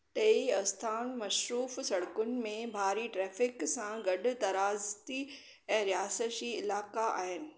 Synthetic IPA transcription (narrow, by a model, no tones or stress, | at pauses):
t̪ɐiɐst̪ʰaːnmɐʃɾuːfsɐɽkʊnɪ̆mẽbʱaːɾiʈɾɛːfɪksãɡɐɗʊ̆t̪ɐɾaːzt̪i | ɛ̃ːɾijaːsəd͡ʑiːɪlaːkaa̰ːɦɪnɪ̆